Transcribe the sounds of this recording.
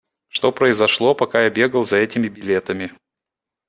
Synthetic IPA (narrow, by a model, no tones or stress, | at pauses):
ʂt̪o̞pɾəɪzɐʂlˠo̞pɐkajabʲe̞ɡəlˠzɐɛtʲɪmʲɪbʲɪlʲe̞t̪əmʲɪ